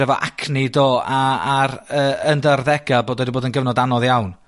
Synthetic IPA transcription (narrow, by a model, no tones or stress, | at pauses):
ɛvɔ̰ʔa̰kʰnɪdoːaaɾəəndərðɛɡaboːdɔdiboːdənɡəvnɔdanɔðjawn